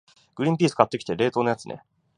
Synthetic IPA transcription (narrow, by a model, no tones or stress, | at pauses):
ɡ̥ɯ̟ɾʲĩmp̬ʲiːsɨ̥kat̪ːe̞kʲi̥t̪e̞ɾe̞ːt̪o̞ːnojat͡sɨnḛ